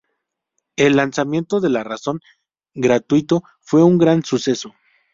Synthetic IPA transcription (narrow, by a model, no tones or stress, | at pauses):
e̞lːansamje̞nt̪o̞ðe̞laraso̞ŋ | ɡɾat̪wit̪o̞ | fwe̞uŋɡɾansuse̞so̞